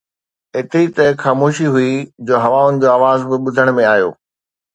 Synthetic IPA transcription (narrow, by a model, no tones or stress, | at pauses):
ɦɪt̪ɾit̪ɐxaːmoːʃiɦuid͡ʑoːɦɐʋaʊnɪ̆d͡ʑoːaːʋaːzbɪɓʊd̪ʱəɽ̃mẽaːɦjo̰ː